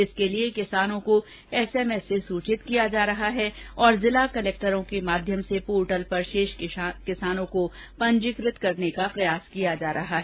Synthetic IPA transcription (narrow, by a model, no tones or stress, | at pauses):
ɪskeliekɪsaːnõko | ɛːsɛːmɛsːesuːt͡ʃɪt̪kijad͡ʒaːɾɐɦaɦɛɔːɾzɪlakɐlɛːk̚ʈəɾõkemaːd̪ʱjəmsepoːɾʈəlpɐɾʃeːʃkɪsaːnõko | pɐ̃ɲd͡ʒɪkɾɪt̪kɐɾnekapɾɐjaːskijad͡ʒaːɾʔɐɦaɦɛː